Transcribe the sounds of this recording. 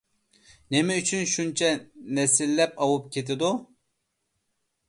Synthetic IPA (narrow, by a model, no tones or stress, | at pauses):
nemɛyt͡ʃʰynʃunt͡ʃʰɛnɛsɪlːɛpɑwup̚kʲʰet̪ʰɪd̪u